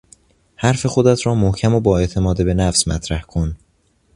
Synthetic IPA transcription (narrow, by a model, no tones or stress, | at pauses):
hæɾfe̞xod̪æt̪ʰɾɒːmohcʰæmobɒːe̞t̪ʰe̞mɒːd̪ebe̞næfsmæt̪ʰɾæhkʰo̞n